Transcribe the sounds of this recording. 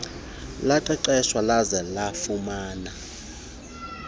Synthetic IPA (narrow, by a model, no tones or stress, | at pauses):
laǃɛǃɛʃwalazɛlafumaːna